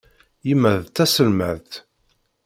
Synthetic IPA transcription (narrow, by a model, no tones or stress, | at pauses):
jimːæðt̪ːæsəlməðt̪